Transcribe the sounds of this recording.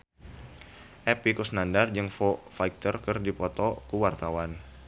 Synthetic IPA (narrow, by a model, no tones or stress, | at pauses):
ʔɛpikusnandard͡ʒɨŋfofajk̚t̪ərkɨrdipɔt̪ɔkuwart̪awan